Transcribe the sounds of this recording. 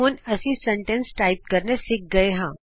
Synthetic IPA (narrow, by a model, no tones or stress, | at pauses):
oːnɐsisɐ̃ɳʈə̃nsʈaːɪp̚kɐɾnesɪk̚ɡɐeɦãː